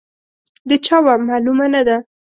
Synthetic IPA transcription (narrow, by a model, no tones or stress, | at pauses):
d̪ət͡ʃɑwamɑlumanad̪a